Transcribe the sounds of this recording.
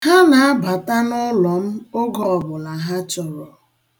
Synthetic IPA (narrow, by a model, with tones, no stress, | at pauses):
ha˦na˨a˦ba˨ta˦nʊ˦lɔ˨m̩˦o˦ɡɔ˨bʊ˨la˨ɦa˦t͡ʃɔ˨ɾɔ˨